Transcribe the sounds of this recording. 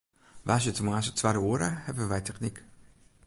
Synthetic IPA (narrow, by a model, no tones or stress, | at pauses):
ʋas̬jətəmaːsətʋaɾəuəɾəhɛpəʋɛjtʰɛχnik